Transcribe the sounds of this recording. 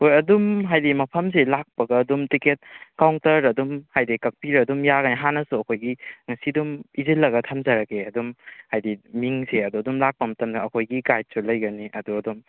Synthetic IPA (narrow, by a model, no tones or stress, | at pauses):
hojɐdumɦajdimɐpʰɐms̬elak̚pɐɡɐːdumtiket̚kawŋtɐɾɐdumhajdikɐk̚piɾɐdumjaɡɐniɦanɐsuɐkʰojɡiŋɐsidumizilːɐɡɐtʰamzɐɾɐkeɐdumhajdimiŋseɐduɐdumlak̚pɐmɐtɐmnaɐkʰojɡikajt̚sulɐjɡɐniʔɐduɐdum